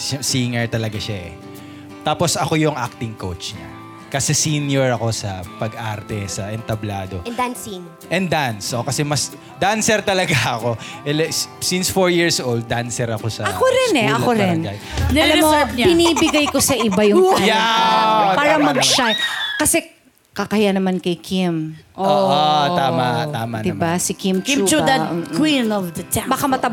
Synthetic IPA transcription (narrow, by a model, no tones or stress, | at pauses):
siŋɛɹt̪ɐlɐɡaʃaʔɛ̰ | t̪aːposɐko̞jʊŋʔak̚t̪ɪŋkowt͡ʃɲɐ̰ | kɐsɛsinjoɹɐko̞sɐpɐɡʔaɾt̪ɛsɐʔɛnt̪ɐblaːd̪o̞̰d̪ansin | ʔɛnd̪ansʔokɐsɛmɐs | d̪ansɛɾt̪ɐlɐɡaɐko̞ʔɛlɛsinsfoɹjiɹsʔowld̪̚ːansɛɾɐkosɐʔɐkoɾɛnɛɐkoɾɪna | ɐlammːoɲbɪniːbɪɡajkosɐʔɪbajʊŋja | paːɾɐmɐɡ̚ʃajkɐsɛ | kɐkɐhjanɐmankɐjkʰimʔoːʔot̪aːmat̪aːmɐnd̪ɪbasɪkimimt͡ʃud̪ɐʔkwinɔvd̪ɐtbakamɐt̪ɐb